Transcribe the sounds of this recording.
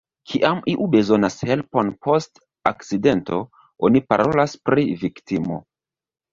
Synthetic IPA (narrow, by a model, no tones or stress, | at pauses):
kʰiʔamiʔube̞zo̞nashe̞lpo̞npʰo̞st | akt͡side̞nto̞ | o̞nipaɾʔo̞laspɾiviktimo̞̰